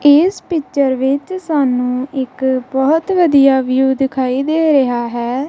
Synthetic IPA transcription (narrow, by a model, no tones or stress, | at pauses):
ɪːspɪt͡ʃəɾʋɪt͡ʃsaːnũːɪkbɔːt̪ʋəd̪ijaːʋɪjuːd̪ɪkʰaːiːd̪eːɾəɦaːɦɛː